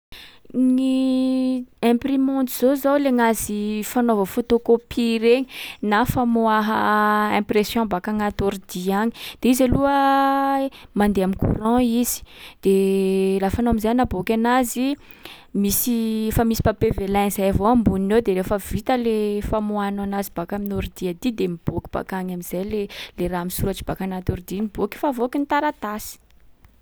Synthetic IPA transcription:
ŋi | ɛ̃primɔ̃nt̪iz̥ozawleŋazifanovəfot̪okopʰiɾeɲinafamoaɦəɛ̃presjɔ̃mbakaŋat̪oɾid̪iaɲi̥d̪̥eizaluə | mand̪eamikṵrɑ̃iz̥i̥d̪̥elafanoamizajnabokʲanazi | misifamisi̥papevelanzajavoambuninewd̪eɾefəvit̪əlefamuananazibakaminoɾd̪iad̪id̪emib̥okʲib̥a̰kaɲamiz̥ajleleɾaamisuɾat͡ʃi̥bakanat̪oɾd̪iniboki̥favokint̪aɾat̪asi̥

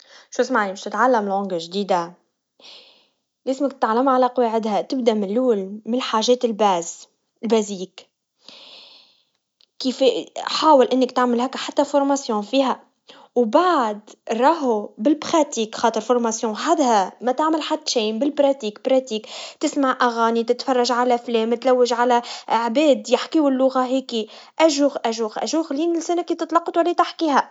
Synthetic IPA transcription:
ʃuːsmaʕimɪʃt̪ɪt̪ʕalːæmɪlʕʊŋɡaʒd̪iːd̪a | lɪsmɪkt̪ɪt̪ʕalːamʕalaqɑwaʕɪd̪hæt̪ɪb̚d̪æmɪnlːuːlmɪnħaːʒɛːt̪ɪlbæːz | lbæziːk | kːiːfħaːwɪlʔɪnːɪkt̪aʕmɪlɦæːkːħat̪ːafʊɾˤmasjɔ̃ːfiːɦæ | wbaʕd̪ɾˤɑːɦubɪlbɾɑt̪iːkxɑːt̪ˤəɾfʊɾˤmɑsjɔ̃ħad̪ɦæmæt̪aʕmɪlħad̪ːʃiːbɪlbɾɑt̪iːkbɾˤɑt̪iːkt̪ɪsmaʕʔæɣaːnit̪ɪt̪fɑrˤːɑʒʕalæflɛːmt̪læwːɪʒʕalæʕbɛːd̪jɪħkiːwɪlːʊɣaɦɛːkiʔæʒuɣʔæʒuːɣʔæ̰ʒuːɣliːnɪlsænækit̪ɪt̪ˤlɑqːɑt̪wælːit̪ɪħkiːɦæ

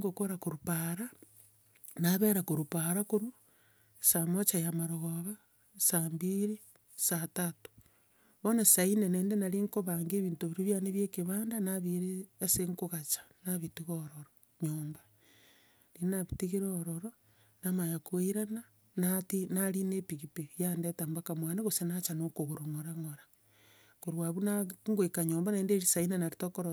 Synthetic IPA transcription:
ŋɡokoɾakuɾupaɾa | naβeɾakoɾupaɾakuɾu | samot͡ʃajamaɾoɣoβa | sambiɾi | satatu̥ | βonasaineneːndenaɾiŋkoβaːŋɡeβiːntuβiɾiβjaneβjekiβaːndanaβiɾeːseŋkuɣat͡ʃḁnaβitiɣoɾoɾo | ɲoːmba | ɾinaβitiɣiɾeːɾoɾo | namajakweiɾana | natinaɾinepiɣipejandetaːmbakamwaneɣosenat͡ʃanokoɣoɾoŋoɾaŋoɾḁ | koɾwaβunaŋɡoikaɲoːmbanaeːndeɾisainenaɾitokoɾo

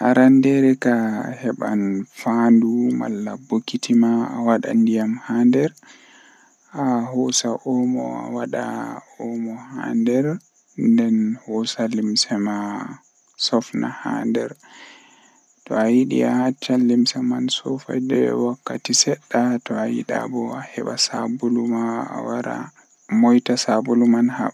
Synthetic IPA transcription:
ʔaɾandɛɾɛkahɛɓa̰nfanduma̰lːabokitʰimaːwaɗa̰ndijamhandɛɾ | ahɔsaʔɔmɔ̰a̰waɗaɔmɔha̰ndɛɾ | ndɛnhɔsalimsɛma | sɔfnaha̰ndɛɾ | tɔ̰ajiɗḭahat͡ʃːalːimsɛmansɔfa̰dɛ̰wakːa̰tisɛɗːatɔajḭɗa̰bɔahɛ̰ɓasabulumaa̰waɾa̰ | mɔjtasabulumanha̰

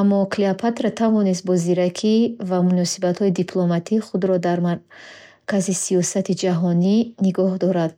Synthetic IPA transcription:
amːɔkʰliapʰat̪ɾat̪ʰavɔnis̬t̪̚bɔziɾakʰivamunɔsibat̪hɔid̪ipʰlɔmat̪ʰiχud̪ɾɔd̪aɾmaɾ | kazisiɔsat̪ʰid͡ʒaɦɔniniɡɔhd̪ɔɾad̪

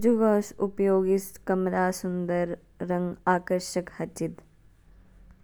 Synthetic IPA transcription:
d͡ʒuʋɐːsupjoːɡiskɐmlaːsund̪əɾː | ɐ̃ŋɡaːkəɾʃəkhɐt͡ʃit̪

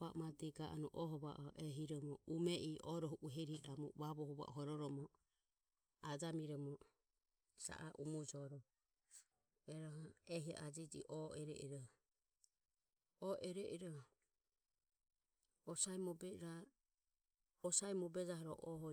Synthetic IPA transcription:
amat̪iɡaʔɔnuʔɔɦɔβaʔɔʔɛɦiɾɔmɔumɛʔiʔɔɾɔɦuʔuɦɛɾiɾamɔβaβɔhɔβa̰ʔɔɦɔɾɔɾɔmɔ | ad͡ʒamiɾɔmɔ | sa̰ʔaʔumud͡ʒɔɾɔ | ɛɾɔɦɔɛɦia̰ʔad͡ʒid͡ʒḭʔɔɛɾɛ̰ʔiɾɔ | ɔʔɛɾɛʔiɾɔ | ɔsaɛmɔbɛɾa | ɔsaimɔbɛd͡ʒaɦɔɾɔʔɔɦɔ

